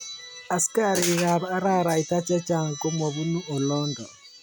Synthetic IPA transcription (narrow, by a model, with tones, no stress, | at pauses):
a˨si̥ka˦˨ɾiː˨ɣa˨βaː˦ɾa˦˨ɾa˨i˨ta˦t͡ʃɛ˦t͡ʃa˨ŋko˦mɔ˨βu˦nu˦ɔ˨lɔ˦ndɔ˨